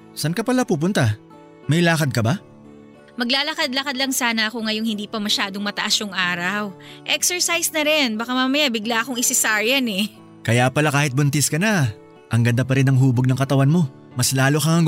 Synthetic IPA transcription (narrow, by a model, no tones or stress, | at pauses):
sɐnkɐpɐlapuːp̬ʊnt̪a | mɐjlaːkɐd̪̚kɐba | mɐɡlaːlɐkad̪lɐkad̪lɐŋsaːnɐʔɐkoŋɐjo̞ŋhɪnd̪iːpɐmɐʃaːd̪o̞ŋmɐt̪ɐʔasjʊŋʔaːɾɐwʔɛksɛɹsajsnɐɾɛnbakamamɐjabɪɡlaʔɐkoŋɪsɪsaɹjɐnɛ | kɐjapɐlakaːhɪt̪̚bʊnt̪ɪskɐnɐ | ʔɐŋɡɐnd̪apɐɾɪnɐŋɦuːboɡ̚nɐŋkɐt̪ɐwanmo̞ | mɐslaːlokɐŋɐŋ